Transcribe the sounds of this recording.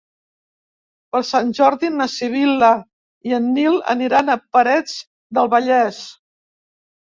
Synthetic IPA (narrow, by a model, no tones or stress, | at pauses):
pəlˠsanʲʒɔɾðinəsiβ̞ilə | iənːilə̰niɾanəpəɾɛd͡z | d̪əlˠβəʎɛs